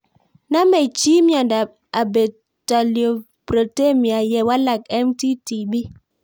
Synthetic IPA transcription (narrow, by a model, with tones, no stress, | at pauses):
na˦me˨t͡ʃi˦mi˦ɔ˨nda˨ | a˨be˨ | ta˨ljo˨ | bɾo˨te˦˨mi˨a˨jɛ˨wa˦la˨kɛ˦mti˦ti˨bi˦